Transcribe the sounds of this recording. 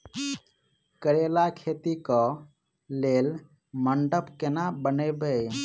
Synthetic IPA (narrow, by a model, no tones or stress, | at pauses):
kəɾelakʰet̪ikə | lel | məɳɖəpkenabənəbəj